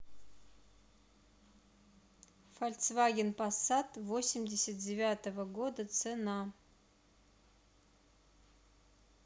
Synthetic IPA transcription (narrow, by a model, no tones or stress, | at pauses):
falʲt̪svaɡʲɪnpʼasat̪ʼvo̞sʲɪmdʲesʲɐt̪̚dʲɪvʲat̪əvəɡo̞d̪ɐt͡sʰena